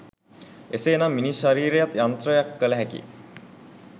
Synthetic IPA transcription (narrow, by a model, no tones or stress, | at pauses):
eseːnamːiniʃaɾiːɾejat̪jant̪ɾəjakːələɦækḭ